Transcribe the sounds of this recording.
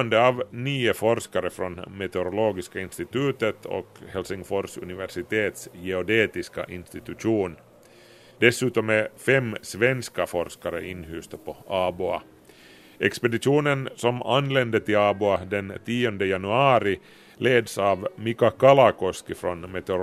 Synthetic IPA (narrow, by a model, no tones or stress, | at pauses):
nd̪əɑvnyːəfɔɾʂkaɾəfɾɔnmɛt̪ɛɾʊloːɡɪskaɪnst̪ɪt̪ʉ̟ːt̪ət̪ʰɔ̰khɛlsɪŋfɔɾʂɵ̰nɪvæʂɪt̪ʰeːt̪sjɛɔd̪eːt̪ɪska̰ʔɪnst̪ɪt̪ʉʂuːn | d̪̥ɛsʉ̟ːt̪ɔmɛfɛmːsvɛnskafɔɾʂkaɾə̰ʔɪnːhʉːst̪apʰɔɑːbʉa̰ | ʔɛkspɛd̪ɪʂuːnənsɔmanːlɛnd̪ət̪ʰɪlɑːbʉad̪ɛnt̪ʰiːɔnd̪əjanɵɑːɾɪ | leːd̪sɑvmikakalakɔskɪfɾɔnmɛt̪ɛoɾ